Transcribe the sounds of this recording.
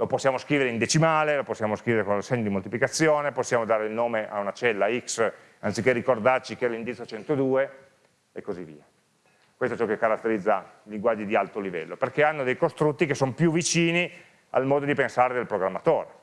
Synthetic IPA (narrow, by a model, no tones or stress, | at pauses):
loposːjaːmoskɾiːveɾeind̪et͡ʃimaːleloposːjaːmoskɾiveɾekonlasɛɲːod̪imolt̪iplikat̪sːjoːneposːjaːmod̪aːɾeilnoːmeʔa̰unat͡ʃɛlːaiks | ant̪sikːerːikord̪art͡ʃikeɛlːind̪it̪sjot͡ʃɛnt̪od̪uːe | ekːozivːḭːa | kwest̪oɛt͡ʃɔkekːaɾat̪ːeɾid̪zːaliŋɡwad͡ʒːid̪ialt̪olivɛ̰lːoperkeanːod̪ejkost̪ɾut̪ːikesːonopjuvːit͡ʃiːni | a̰lmɔːd̪od̪ipensaːɾed̪elpɾoɡɾamːat̪oːɾe